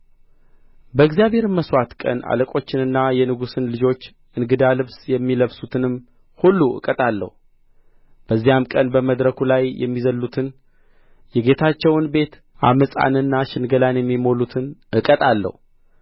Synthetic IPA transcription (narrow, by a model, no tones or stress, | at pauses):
bəɨɡzjaβe̞ɾməswat̪kʼə̰na̰ləkʼo̞t͡ʃːɪnɨnːajɛnɨɡusɨnlɨd͡ʒo̞t͡ʃː | ʔɨnɡɨd̪alɨβsjɛmːiləβsut̪ʰɨnɨmː | hulːuʔɨ̰kʼət̪ʼalːə̰hu | b̥əzːijamkʼənbəməd̪ɾəkʰulajjɛ̰mːizəlːut̪ʰɨn | jɛɡe̞t̪ʰat͡ʃːɛwnbe̞t̪ | ʔa̰məsʼa̰nɨnːaʃɨnɡəlanjɛmːimo̞lut̪ʰɨnʔɨkʼət̪ʼalːə̰hu